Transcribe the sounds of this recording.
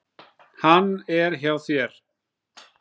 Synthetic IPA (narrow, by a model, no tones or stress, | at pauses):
hanːɛɾçjaːwθjɛɾ̥